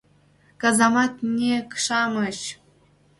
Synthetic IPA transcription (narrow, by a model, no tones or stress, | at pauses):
kɑzɑmɑt̪nʲekʂɑmɤ̆ɕ